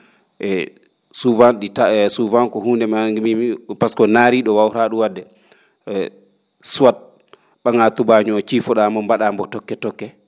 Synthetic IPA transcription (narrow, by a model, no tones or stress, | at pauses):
ʔɛ | suvanɗitasuvankɔhundɛmaɡimipaskɔnaːɾiɗɔwawɾaɗuwadːɛ | suwat̚ | ɓaŋatubaɲɔt͡ʃifɔɗamɔmbaɗambɔtɔkːɛtɔkːɛ